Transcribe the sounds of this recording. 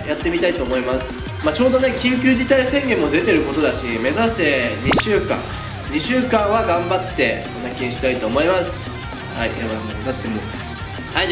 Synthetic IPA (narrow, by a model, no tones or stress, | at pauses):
jat̪ːe̞mʲit̪ait̪o̞ːmo̞imasɨ̥ | mat͡ɕo̞ːd̪o̞ne̞kʲĩŋk̬ʲɨːʑit̪aisẽ̞ŋɡʲẽ̞mːo̞d̪e̞t̪e̞ɾɯ̟ko̞t̪o̞d̪aɕime̞zase̞ɲiɕɨːkã̰ | ɲ̟iɕɨːkãɰ̃βaɡãmbat̪ːe̞konakʲĩɲ̃ɕi̥t̪ait̪o̞ːmo̞imasɨ̥ | haijabannat̪ːemo | hai